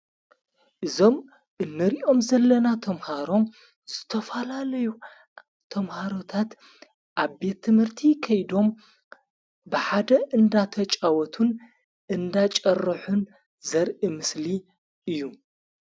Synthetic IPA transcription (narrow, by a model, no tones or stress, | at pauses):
ʔɨzo̞m | ʔɨnːɨɾiʔo̞mzɐlːɐnat̪ʰɐmhaɾo̞m | z̥ɨt̪ʰɐfalalɐju | t̪ʰɐmhaɾot̪ʰat̪ | ʔaβbe̞t̪ʰːɨmhɨɾt̪ʰikʰɐjd̪o̞m | bɨħad̪ɐʔɨnd̪at̪ʰɐt͡ʃʼawɔt̪ʰun | ɨnd̪at͡ʃʼɐrːɐħun | zɐɾʔimɨsli | ʔɨjːu